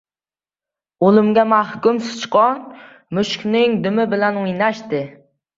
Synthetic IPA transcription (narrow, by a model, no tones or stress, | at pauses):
olˠumɡʲɛmæhkʲymsɪz̥t͡ʃʰɨ̥qʰɑn | myʃkʲnɪŋd̪ymɪbɪlɛnjnɛʃt̪ɪ